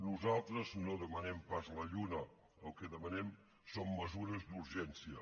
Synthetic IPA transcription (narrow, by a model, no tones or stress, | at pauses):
nuzalˠt̪ɾəznoðəmənɛmpazləʎunə | əlˠkəðəmənɛm | somːəzuɾəzd̪uɾʒɛnsiə